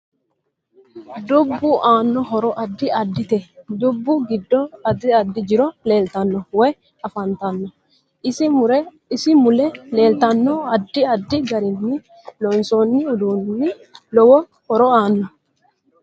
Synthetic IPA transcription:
d̪ʊbːʊʔaːnːɔɦɔɾɔʔɐd̪ːɪɐd̪ːɪt̪ɛd̪ʊbːʊɡɪd̪ːɔɐd̪ɪɐd̪ːɪd͡ʒɪɾɔle̞ːlt̪ɐnːɔwɛj | ɐfɐnt̪ɐnːɔ | ɪsɪʊɾɛ | ɪsɪmʊlɛle̞ːlt̪ɐnːɔɐd̪ːɪɐd̪ːɪɡɐɾɪnːɪ | lɔːnsoːnːɪʊd̪uːnːɪ | lɔwɔ | hɔɾɔaːnːɔ

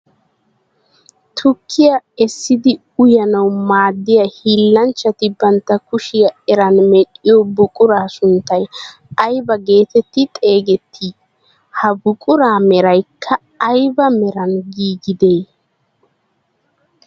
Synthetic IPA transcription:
t̪ʰʊkʰːɪjɐɛsːɪd̪ɪ | ʊjɐnɐwmaːd̪ːɪjɐhiːlːɐnt͡ʃːɐt̪ɪbɐnt̪ːɐkʊʃɪjɐɛɾɐnmɛɗʼːɪjɔbʊkʼʊɾaːsʊnt̪ːɐj | ɐjbɐɡe̞ːt̪ɛt̪ːɪt̪ʼe̞ːɡɛt̪ʰːi | hɐbʊkʼʊɾaːmɛɾɐjkʰːɐː | jbɐmɛɾɐnɡiːɡɪd̪ej

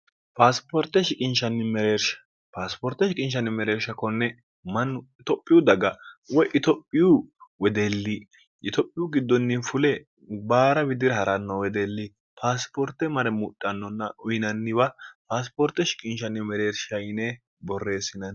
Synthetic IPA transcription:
paːspɔɾt̪ːɛʃɪkʼɪnʃɐnːɪmɛɾeːɾʃɐ̥ | paːspɔɾt̪ːɛʃɪkʼɪnʃ̬ɐnːɪmɛɾeːɾʃɐkɔnːɛ | mɐnɪt̪ɔpʼːɪjʊd̪ɐɡɐwɔjʔɪt̪ɔpʼːɪjuwɛd̪elːi | ʔɪt̪ɔpʼːɪjʊɡɪd̪ːɔnːɪfʊlɛ | baːɾɐbɪd̪ɪɾɐhɐɾɐnːɔwɛd̪elːɪ | pʰaːspɔɾt̪ɛmɐɾɛmʊtʼːɐnːɔnːɐʊjɪnɐnːɪβɐpaːs̬pɔɾt̪ːɛʃɪ̥kʼɪnʃɐnːɪmɛɾeːɾʃɐjɪne | bɔrːe̞ːsɪnɐn

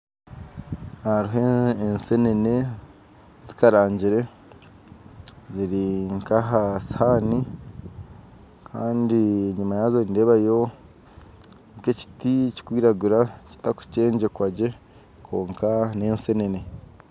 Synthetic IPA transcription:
aɾiɦeːnse̞nene̞ | zikaɾaːɲɟiɾe̞ | ziɾiŋkaɦashaːni | kʰaːndiɲimajaːzoinde̞βajo̞ | keci̥tici̥kwiːɾaɡuɾaci̥taku̥ce̞ːɲɟe̞kwaɟe̞ | kʰo̞ːŋkane̞ːnse̞ne̞ne̞

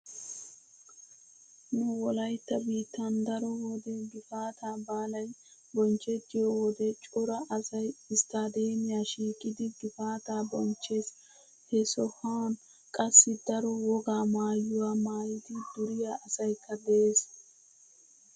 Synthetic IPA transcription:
nʊwɔlɐjt̪ːɐbiːt̪ːand̪ɐɾɔwɔd̪ɛɡɪfaːt̪aːbaːlɐj | bɔnt͡ʃːɛt͡ʃːɪjɔwɔd̪ɛt͡ʃʼʊɾɐʔɐsɐjɪst̪aːd̪eːmɪjaːʃiːkʼːɪd̪ɪɡɪfaːt̪aːbɔnt͡ʃːes | hɛsɔhɐn | kʼɐsːɪd̪ɐɾɔwɔɡaːmaːjʊwaːmaːjɪd̪ɪd̪ʊɾɪjaːʔɐsɐjkʰːɐd̪ɛeːs

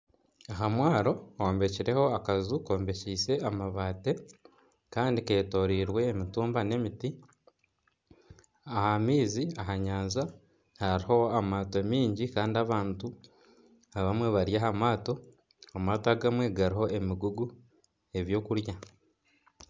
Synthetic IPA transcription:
aɦamwaːɾo̞oːmbe̞ciɾe̞ho̞akazuko̞ːmbe̞ciːse̞amaβaːte̞ | kaːndike̞ːto̞ɾiːɾwe̞ːmituːmbane̞miti | ahamiːziaɦaɲaːnza | haɾiho̞amaːto̞miːɲɟikaːndiaβaːntu | aβamwe̞βaɾjahamaːto̞ | amaːtoaɡamwe̞ɡaɾiɦo̞ʔe̞miɡuɡu | e̞βjo̞ːkuɾja

